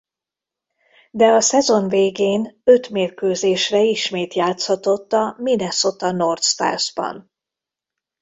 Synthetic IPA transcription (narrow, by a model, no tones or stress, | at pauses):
d̪ɛɒsɛzo̞nveːɡeːnø̞t̪meːrkøːzeːʃrɛiʃmeːt̪jaːt̪shɒt̪o̞t̪ːɒminɛso̞t̪ɒno̞rt̪st̪a̰ːrzbɒ̰n